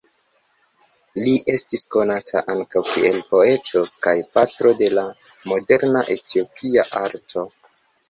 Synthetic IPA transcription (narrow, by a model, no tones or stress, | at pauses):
liʔe̞stisko̞natʰa̰ʔaŋkawkie̞lpo̞e̞to̞kajpatɾo̞de̞la | mo̞de̞ɾnaʔe̞tʰio̞pʰiaʔaɾtʰo̞